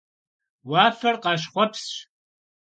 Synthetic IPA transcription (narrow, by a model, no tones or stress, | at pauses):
waːfɐrqɑːʃ̬χʷɔpʰsɕ